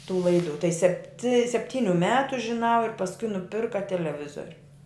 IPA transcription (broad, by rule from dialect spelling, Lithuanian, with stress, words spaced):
tuː ˈlˠɐɪdʊ tɐɪ sʲɛpʲtʲɪ sʲɛpʲˈtʲiːnʲʊ ˈmʲæːtʊ ʒʲɪˈnɐʊ ɪr pɐsˈkʊɪ nʊˈpʲɪrkɐ tʲɛlʲɛˈʋʲɪzoːrʲʊ